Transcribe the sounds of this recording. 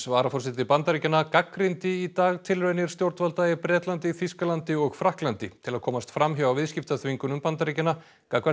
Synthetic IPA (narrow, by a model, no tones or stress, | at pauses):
svaːɾafɔr̥sɪt̪̬ɪpant̪aɾicɪnakakɾɪnt̪ɪit̪aːɣt̪ʰɪlrenɪɾ̥st̪jowɾt̪valt̪ajɪpɾɛːt̪lant̪ɪθiskalant̪ɪɔɣfɾahklant̪ɪ̰t̪ʰɪlaðkʰɔːmast̪fɾamɦjawawvɪðscɪft̪aθviŋkʏnʏmpant̪aɾicɪna | kakva